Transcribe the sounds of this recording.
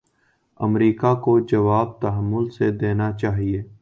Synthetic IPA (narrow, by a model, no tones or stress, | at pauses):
ə̰mɾiːkakod͡ʒəʋaːb̚t̪ɐɦəmːʊlsed̪eːnat͡ʃaːɦieː